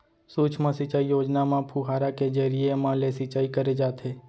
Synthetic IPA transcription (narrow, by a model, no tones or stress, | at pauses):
suːt͡ʃʰmãsɪt͡ʃaːijoːd͡ʒnamãpʰuːɦaːɾaked͡ʒəɾiemãlesɪt͡ʃaːikəɾed͡ʒaːt̪ɦeː